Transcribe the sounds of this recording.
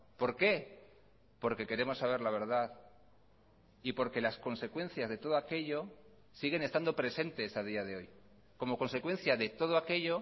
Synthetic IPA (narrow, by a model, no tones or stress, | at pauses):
po̞ɾke̞ | po̞ɾke̞ke̞ɾe̞mo̞sːaβe̞ɾlaβ̞e̞ɾð̞að | ipo̞ɾke̞lasko̞nse̞kwe̞n̟θjazðe̞t̪o̞ðo̞ake̞ʎo̞ | siɣe̞nest̪and̪o̞pɾe̞se̞nt̪e̞sað̞iað̞eo̞j | ko̞mo̞ko̞nse̞kwe̞n̟θjaðe̞t̪o̞ð̞oake̞ʎo̞